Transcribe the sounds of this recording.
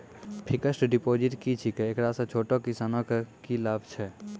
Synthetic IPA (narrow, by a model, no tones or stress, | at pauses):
pʰikəsʈɖipod͡ʒiʈkit͡ʃʰikeekɾasə̃t͡ʃʰoʈokisanɔkkilabʱt͡ʃʰɛ